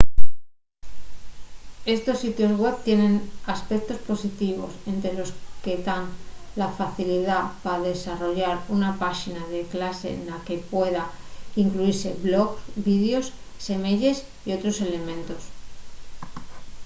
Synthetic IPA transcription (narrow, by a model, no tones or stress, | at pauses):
e̞st̪o̞sːit̪jo̞zɣwe̞βt̪je̞nẽ̞naspe̞k̚t̪o̞spo̞sit̪iβo̞se̞nt̪ɾe̞lo̞ske̞d̪anlafaθiliðapaðe̞saro̞ʝaɾunapaxinaðe̞klase̞̰nlake̞pwe̞ðaiŋkluiɾse̞βlo̞ɣsbiðjo̞s | se̞meʝe̞s | io̞t̪ɾo̞se̞le̞mẽ̞nt̪o̞s